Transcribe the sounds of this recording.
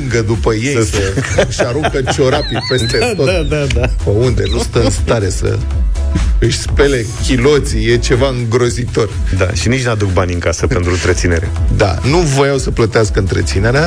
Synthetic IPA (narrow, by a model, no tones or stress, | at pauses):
ŋɡəd̪upəjejsəɨʃaɾuŋkət͡ʃo̞ɾapipe̞st̪et̪od̪apəund̪e̞nust̪əɨnst̪aɾe̞sə̰ | ɨʃʲspe̞le̞kʲilo̞t̪sije̞t͡ʃe̞vaɨŋɡɾo̞zit̪o̞rʲd̪a̰ʃinit͡ʃnad̪uk̚banʲɨŋkasəp̪e̞nt̪ɾuɨnt̪ɾe̞t̪sine̞̰ɾḛd̪a̰nuvo̞jawsəplət̪easkəɨnt̪ɾe̞t̪sine̞ɾea